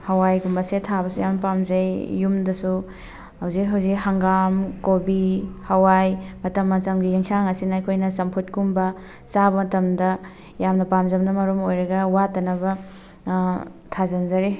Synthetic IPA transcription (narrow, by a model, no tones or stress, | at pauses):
hɐwajɡumbɐsetʰabɐsujamnɐpamzɐjːumdɐsu | hɐwzikɦɐwzikhɐŋɡamkobihɐwajmɐtɐmːɐsɐŋɡiɡiŋsaŋɐsinɐɐjkʰojnɐsɐmpʰutkumbɐ | sabɐmɐtɐmdɐ | jamnɐpamzɐbɐnɐmɐɾomojɾɐɡɐwatɐnɐbɐ | tʰazɐnzɐɾi